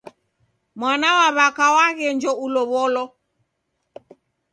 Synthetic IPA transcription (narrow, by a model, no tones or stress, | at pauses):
mwanawaβakawaɣɛɲd͡ʒɔʔulɔβɔlɔ